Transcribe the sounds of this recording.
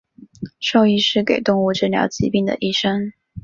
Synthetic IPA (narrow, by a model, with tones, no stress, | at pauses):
ʂo˥˧ʊi˥˧ʂɻ̩˥˩ke˨˩ɪt̪ʊ˥˧ŋu˥˧ʈ͡ʂ̩˥˩ljɑ̰˧˥ʊt͡ɕḭ˧˥pi˥˩ŋd̪ə̰˨˩ʔi˥˩ʂə˥ŋ